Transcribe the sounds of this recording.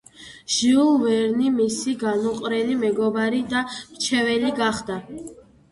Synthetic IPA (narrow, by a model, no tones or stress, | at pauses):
ʒ̥iulˠvɛɾnimisiɡanuqʼɾɛlimɛɡɔbaɾid̪amt͡ʃʰɛvɛliɡaχd̪a